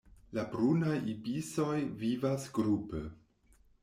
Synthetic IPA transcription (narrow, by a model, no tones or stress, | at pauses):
labɾunajibiso̞jvivasɡɾupḛ